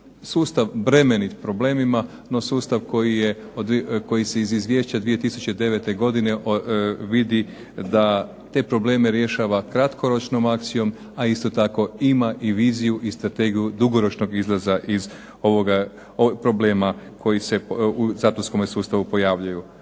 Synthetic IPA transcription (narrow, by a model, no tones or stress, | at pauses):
suːst̪aʋbɾe̞me̞nipɾo̞ble̞ːmima | no̞suːst̪aʋko̞jije | od̪ko̞jiseizizʋje̞ʃt͡ɕad̪ʋie̞t̪isu̥t͡ɕe̞d̪e̞ʋe̞t̪e̞ɡo̞d̪ine̞ʔʋid̪i | d̪a | t̪e̞pɾo̞ble̞ːmeɾje̞ʃaːʋakɾat̪kʰo̞ɾo̞t͡ʃno̞makt̪sijo̞m | aist̪o̞t̪ako̞imaʔiʋiːzijuʔist̪ɾat̪e̞ɡijud̪uɡo̞ɾo̞t͡ʃno̞ɡizlˠazaʔiz | o̞ʋoɡa | opɾo̞ble̞ːmakʰo̞jise̞uzaːt̪onsko̞mesuːst̪aʋupo̞jaːʋʎuju